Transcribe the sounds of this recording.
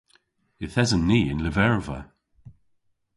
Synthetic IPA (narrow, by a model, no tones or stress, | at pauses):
ɪθɛzənːiːɪ̰nləvɛɹvə̰